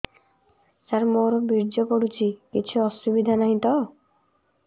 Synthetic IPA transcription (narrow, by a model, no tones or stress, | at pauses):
saɾmoɾɔbiɾd͡ʒɔkɔɽut͡ʃʰikit͡ʃʰuɔsubid̪ʱanaɦĩt̪ɔ